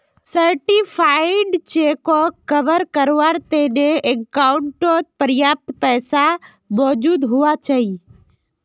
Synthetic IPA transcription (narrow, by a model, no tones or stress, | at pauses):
səɾʈipʰaːɪɖt͡ʃekɔkəʋəɾkəɾʋaɾt̪eneekːaʊɳʈot̪̚pəɾjaːp̚t̪pɛːsa | mɔːd͡ʒuːd̪ɦʊat͡ʃɐi